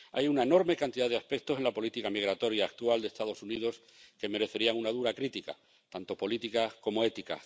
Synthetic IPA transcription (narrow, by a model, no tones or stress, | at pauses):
a̰junaeno̞ɾme̞kant̪iðaðeaspe̞k̚t̪o̞se̞nlapo̞lit̪ikamiɣ̞ɾat̪o̞ɾjaːk̚t̪uald̪est̪að̞o̞sunið̞o̞s | ke̞me̞ɾe̞θe̞ɾiaŋunað̞uɾakɾit̪ika̰ | t̪ant̪o̞po̞lit̪ikako̞mo̞e̞t̪ika̰